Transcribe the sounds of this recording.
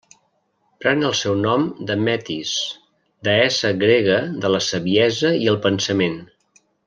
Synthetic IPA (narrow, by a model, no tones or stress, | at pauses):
pɾɛnəlˠsɛwnɔmd̪əmɛt̪is | d̪əɛsəɣɾeɣəðələsəβiɛzəiəlˠpənsəmen